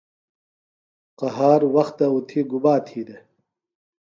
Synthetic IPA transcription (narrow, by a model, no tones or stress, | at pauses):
qɐɦaːɾwɐxt̪ɐut̪ʰiɡubaːt̪ʰiːd̪e